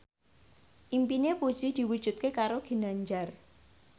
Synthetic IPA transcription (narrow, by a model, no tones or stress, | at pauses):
ʔimpinepu̥ʒ̥id̪̥i̤wud̥ʒ̥ṳt̪̚kekaɾoɡ̥i̤naɲd͡ʒar